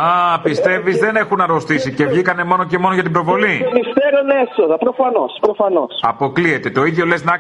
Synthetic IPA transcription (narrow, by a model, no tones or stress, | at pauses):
ɐpist̪e̞vizðe̞ne̞xunɐɾo̞st̪isice̞vʝikɐne̞mo̞no̞ce̞mo̞no̞ʝɐt̪ibɾo̞vo̞linist̪eɾonesoðɐpɾofɐnospɾofɐnosɐpo̞klie̞t̪e̞t̪o̞iðʝo̞le̞znɐ